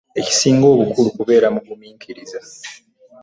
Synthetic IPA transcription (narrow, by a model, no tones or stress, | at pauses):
e̞ci̥siːŋɡo̞ːβukulukuβe̞ːɾamuɡumiːŋkʰiɾiza